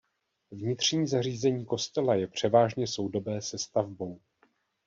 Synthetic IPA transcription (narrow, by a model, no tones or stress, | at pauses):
vɲɪt̪r̝̥ɲiːzariːzɛɲiːko̞st̪ɛlajɛpr̝̥ɛvaːʒɲɛso̞wdo̞bɛːsɛst̪avbo̞w